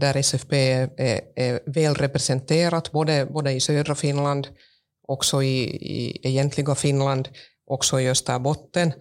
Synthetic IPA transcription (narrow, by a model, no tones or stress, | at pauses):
d̪æɾɛsɛfpeːææɾvɛːlɾɛpɾɛsɛnt̪ʰeːɾat̪boːd̪əboːd̪əɪsøːd̪ɾafɪnland̪ | ɔksɔɪɪ̰ɛjɛnt̪ʰlɪɡafɪnland̪ | ʔɔksɔɪjɵst̪æbɔt̪ːən